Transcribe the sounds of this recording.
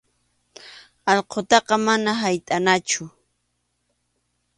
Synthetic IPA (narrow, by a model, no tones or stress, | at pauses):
ɑʎqʰot̪ɑqɑmanaɦajt̪ʼanat͡ʃʊ